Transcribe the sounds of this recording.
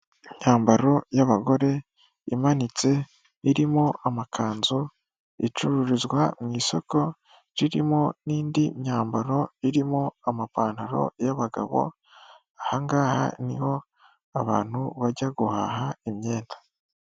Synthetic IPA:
iɲ̥aːmbaɾo̞jaβaɡo̞ɾe̞ | imanit͡se̞ | iɾimo̞ʔamakʰaːnzo | ḭt͡ʃuɾuɾizɡwamŋiːso̞ko̞ | ɾiɾimo̞niːndiɲɲaːmbaɾo̞iɾimo̞amapaːnhaɾo̞̰jaβaɡa̰βo̞̰ | ahaŋɡaːha̰niho̞ | aβa̰ːn̥huβaɟaɡuha̰ːɦaimɲe̞ːndḁ

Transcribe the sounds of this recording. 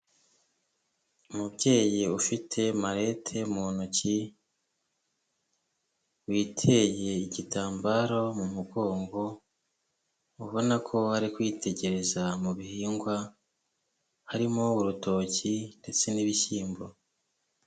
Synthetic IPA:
umubɟe̞ːjiufitʰe̞maɾe̞ːtʰe̞muːnuci | wiːtʰe̞je̞iɟitʰaːmbaɾo̞mumuɡo̞ːŋɡo̞ | uβo̞nakʰo̞haɾikwiːtʰe̞ɟe̞ɾe̞zamuβihiːŋɡwa | haɾimo̞uɾuto̞cinde̞t͡se̞niβisiːmbo

